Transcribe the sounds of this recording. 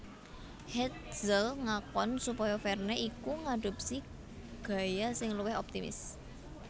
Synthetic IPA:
hɛt̪̚z̥əlŋakɔnsupɔjɔfɛrneʔikuŋaɖ̥o̤p̚si | ɡ̥ä̤jasɪŋluwɪɦɔp̚t̪imɪ̰s

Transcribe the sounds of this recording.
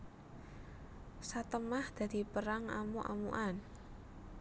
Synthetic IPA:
sat̪əmahd̪̥a̤d̪̥i̤pəɾaŋa̰muʔa̰mṵʔan

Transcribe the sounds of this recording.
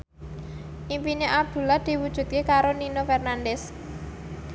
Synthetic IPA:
ʔimpineʔab̚d̪̥ṳlad̪̥i̤wud̥ʒ̥ṳt̪̚kekaɾoninofɛrnandɛs

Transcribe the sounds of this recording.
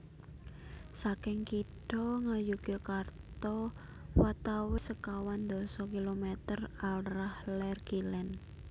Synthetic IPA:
sakɪŋkiʈɔŋajuɡ̥ɔkart̪ɔ | wat̪awɪsəkawand̪ɔ̤sɔkilomɛt̪əralrahlɛrɡ̥ilɛn

